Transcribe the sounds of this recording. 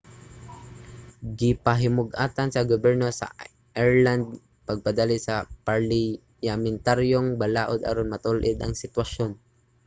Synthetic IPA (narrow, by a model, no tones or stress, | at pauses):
ɡɪpɐɦɪmʊɡʔaːt̪ɐnsɐɡobɛɹnosɐ̰ | ʔɛɹland̪̚ | pɐɡ̚pɐd̪alisɐpaɹlɪ | jamɪnt̪aɾjoŋbɐlaːʔod̪ɐ̰ɾonmɐt̪ʊlʔɪd̪ʔɐ̰ŋsɪt̪wɐʃon